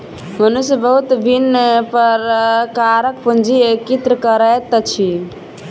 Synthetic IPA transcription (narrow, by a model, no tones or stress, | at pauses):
mənusjbəɦut̪bʱinpəɾkaɾək̚pund͡ʒiekit̪ɾəkəɾət̪t͡ʃʰi